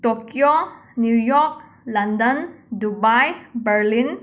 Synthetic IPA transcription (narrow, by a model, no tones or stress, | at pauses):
tokjonjujɔk̚ | landəndubajbəɾlin